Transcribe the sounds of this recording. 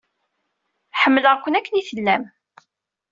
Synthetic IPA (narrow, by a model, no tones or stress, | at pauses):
ħəmːələʁkʷːənækːəniθəlːæm